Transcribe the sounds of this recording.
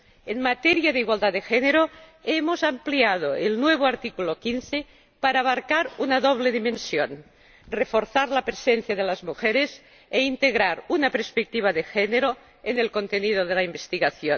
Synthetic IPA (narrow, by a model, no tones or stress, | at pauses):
enmat̪eɾjaðeiɣwald̪at̪ːexeneɾoemozampliað̞oelnweβ̞oaɾt̪ikulokinθe | paɾaːβaɾkaɾunaðoβ̞leðimẽnsjon | refo̞ɾθaɾlapɾesenθjað̞elazmuxeɾes | eint̪eɣɾaɾunapeɾspek̚t̪iβ̞aðexeneɾo | enelkont̪enið̞oð̞elaimbest̪iɣaθjon